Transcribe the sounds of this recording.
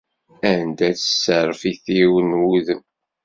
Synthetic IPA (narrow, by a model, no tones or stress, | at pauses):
ænd̪æt͡sə̥sːəɾˤəfiθiwənwuðəm